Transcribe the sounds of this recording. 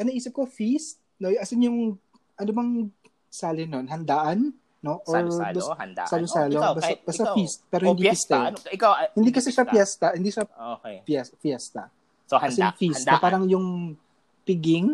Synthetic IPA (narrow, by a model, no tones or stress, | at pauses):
ʔɐnɐʔiːsɪp̚kofist̪̚ | nojʔɐsɪnjʊŋ | ʔɐnobɐŋ | saːlɪnonɦɐnd̪aːʔɐnː | o̞ʔoɹlssɐlʊsaːlobaɐbast̪ɐist̪̚pɛːɾoɪnd̪iist̪ɛ | hɪnd̪iːkɐsɛʃɐpjɛst̪ɐhɪnd̪iːʃɐopjɛsfjɛst̪ɐ̰ | ɐɪnfistt̪ɐpaːɾɐŋjʊŋ | pɪɡɪŋ